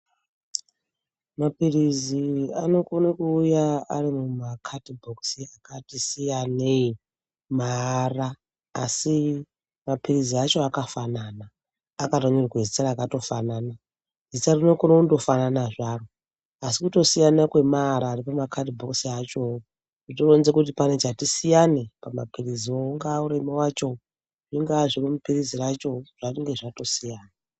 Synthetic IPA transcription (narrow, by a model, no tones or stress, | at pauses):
mapiriziano̞konekuːjaarimumakʰatibʱoksiakatisijanei | maraː | si | mapiriziat͡ʃo̞akafananaː | katoɲurkwezit͡saɾakato̞fanana | zitarinokonoundo̞fananaʐaro | asikuto̞sijanakwe̞maɾaːripamakʰadibʱoksiat͡ʃo̞wo | ʐitoronzekut̬ipane̞t͡ʃatisijane̞pamapirizioŋɡauɾe̞mewat͡ʃo̞ | ʐiŋɡaʐiromupirizirat͡ʃo̞ʐ̥aiŋɡe̞ʐato̞sijaːna